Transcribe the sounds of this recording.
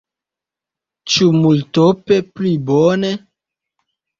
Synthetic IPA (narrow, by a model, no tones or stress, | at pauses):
t͡ʃumultopeplibone